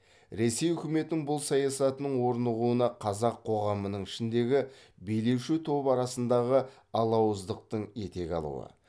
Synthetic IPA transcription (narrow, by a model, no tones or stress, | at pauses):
ɾe̞se̞jʏkʲɪme̞t̪nɪŋbʊlˠsɑjɑsɑt̪ənəɴwo̞ɾnəʁuənɑqʰɑzɑqʰːo̞ʁɑmənəɴɪʃɪnd̪e̞ɡʲɪ | bijle̞wʃut̪ʰo̞pɑɾɑsənd̪ɑʁə | ɑlˠɑwəzd̪əq̚t̪əɴe̞t̪e̞kʲɑ̰lˠṵwə̰